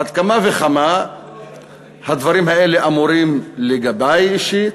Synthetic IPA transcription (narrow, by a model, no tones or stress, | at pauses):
ad̪̚kamaveχama | had̪vaɾimhaeleʔamuɾimleɡabejiʃi